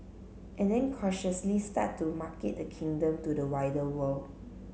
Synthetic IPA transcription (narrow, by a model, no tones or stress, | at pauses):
ʔɛ̃ndɛ̃nkʰɔʃəslista̰tːumaket̚dəkʰĩŋdə̃mtudəwaɪdəwəld